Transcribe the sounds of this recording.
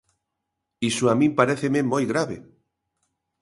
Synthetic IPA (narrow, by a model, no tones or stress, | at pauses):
isuamĩmpaɾeθememojɣɾaβḛ